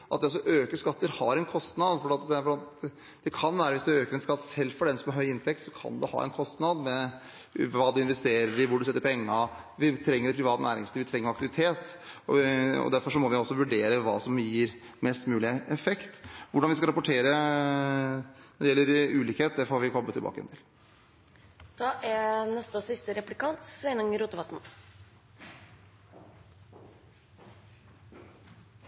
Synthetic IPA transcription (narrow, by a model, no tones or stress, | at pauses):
ʔɑt̪̚d̪ɛɔs̬ːɔʔøːkəʂkɑt̪ːəɾhɑɾɛnkʰɔst̪nɑd̪fɔɖɛːɑt̪d̪ɛfɔɑt̪ | d̪̥ɛkʰɑnʋæːɾəʋɪsd̪ʉøːkəɾɛnskɑt̪ːsɛlːfɔɖɛnsɔmhɑɾhœʏɪnt̪ʰɛkt̪sɔkʰɑ̰nd̪ɛhɑ̰ːɛ̰nkʰɔst̪nɑd̪mɛ | ɑːd̪ʉɪnʋɛst̪eːɾəɾɪʋʊɖʉsɛt̪ːəɾpɔɛŋːɑ | ʋɪt̪ʰɾɛŋːəɖɛpʰɾɪʋɑːt̪ənæ̰ːɾɪ̰ŋsliːʋɪt̪ʰɾɛŋːəɾɑkt̪ɪʋɪt̪ʰeːt̪ɔɔ̰d̪æɾfɔʂɔmɔʋɪɔsːɔʋʉɖeːɾəʋɑ̰ːsɔmjiːɾ | mɛst̪mʉːlɪəɛfɛkt̪ʋʊɖɑnʋɪskɑɾɑpʊʈʰeːɾə | nɔɖ̪ɛjɛlːəɾʉːliːkheːt̪̚d̪æɾfɔhɑʋɪkʰɔblət̪ʰːɪlbɑ̰ːkəɛ̰nt̪ʰɪl | d̪̥ɑːʔænɛst̪əɔsɪst̪əɾɛplɪkɑnt̪sʋɛɪnəŋəɾuːt̪əʋɑt̪n̩